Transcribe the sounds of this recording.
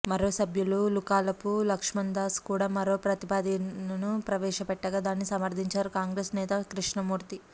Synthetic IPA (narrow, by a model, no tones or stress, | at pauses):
mɐɾoːsɐbʱjululukaːlɐpulɐkʂmɐnd̪aːskuːɽaːmɐɾoːpɾɐt̪ipaːd̪inɐnupɾɐʋɛːʃɐpɛʈːɐɡaːd̪aːnːisɐmɐɾd̪ʱiɲt͡ʃaːɾukaːŋɡɾeːsnɛːt̪ɐkɾiʂɳɐmuːɾt̪i